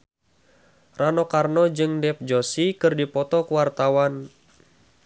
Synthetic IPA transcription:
ranɔkarnɔd͡ʒɨŋdɛp̚d͡ʒosikɨrdipɔt̪ɔkuwart̪awan

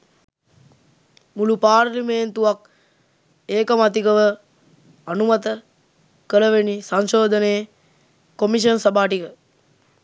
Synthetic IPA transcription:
mulupaːɾlimeːnt̪uʋak̚ | eːkɐmat̪̬ikəʋə | anumat̪ə | kələʋenisanʃoːd̪ʱəneː | komiʃ̬ənsɐbaːʈikə

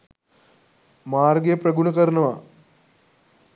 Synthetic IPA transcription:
maːrɡjprɐɡunɐkɐɾnɐʋa

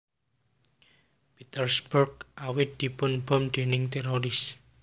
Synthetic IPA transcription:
pit̪ərsburɡʔawɪt̪̚d̪̥i̤pʊnb̥ɔ̤mɖ̪̥enɪŋt̪eɾoɾɪs

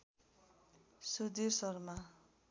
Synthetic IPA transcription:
sud̪irsʌrma

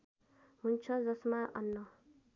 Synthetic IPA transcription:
ɦunt͡sʰʌd͡zʌsmaʔʌ̰nːʌ

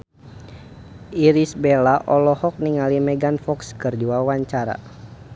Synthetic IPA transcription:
ʔiɾisbɛlaʔɔlɔhɔk̚niŋalimɛɡanfɔkskɨrd͡ʒuwawaɲt͡ʃaɾa̰

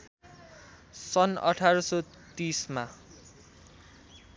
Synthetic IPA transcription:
sʌnʌ̰ʈʰaɾʌso | t̪isma

